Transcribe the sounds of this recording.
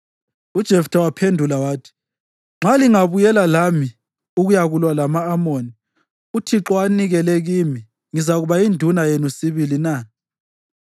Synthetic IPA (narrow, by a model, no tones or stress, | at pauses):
ud̥ʒ̥ʱɛftʰawapʰendʱulawaːtʰi̥ | ŋ͡ǁaliŋaβujɛlalami | uɣujaɣulwalamaːmoni | utʰiǁɔaniɣɛlɛɣimi | ŋizaɣuβaindʱunajenusiβilina